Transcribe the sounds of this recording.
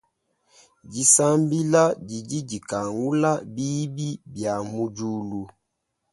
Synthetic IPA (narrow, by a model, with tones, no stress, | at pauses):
ɟi˨sa˦mbi˦la˦ɟi˨d͡ʒi˦ɟi˨ka˨ŋɡu˦la˦bi˦bi˦bja˨mu˦d͡ʒu˦lu˦